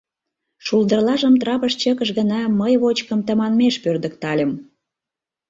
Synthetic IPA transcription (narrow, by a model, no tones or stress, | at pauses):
ʃuld̪ərlɑʒəmt̪rɑpəʃt͡ɕəkəʃɣənɑməjβot͡ɕkəmt̪əmɑnmeʃpørd̪ə̆kt̪ɑlʲə̆m